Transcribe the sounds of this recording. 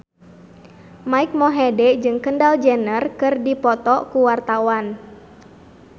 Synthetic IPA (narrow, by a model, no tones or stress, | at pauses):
maik̚mɔɦɛdɛd͡ʒɨŋkəndald͡ʒənərkɨrdipɔt̪ɔkuwart̪awan